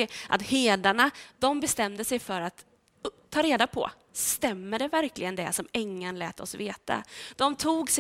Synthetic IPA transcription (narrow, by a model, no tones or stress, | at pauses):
ɪʔa̰t̪heːd̪aɳad̪̥ɔmbɛst̪ɛmd̪əsɛjfœɾat̪ | t̪ʰːɑːɾeːd̪apʰɔ̰ | st̪ɛmːəɖɛvæɾklʔɪɡənd̪ɛ̰sɔmɛŋːanlɛːt̪ɔ̰sveːt̪a̰d̪̥ɔmt̪ʰuːɡs